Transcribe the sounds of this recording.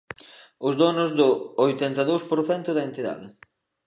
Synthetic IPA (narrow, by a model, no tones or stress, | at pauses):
ʊzðonʊzd̪ʊojt̪ɛnt̪ɐðowspoɾθɛnt̪ʊðɐent̪iða̰ðɪ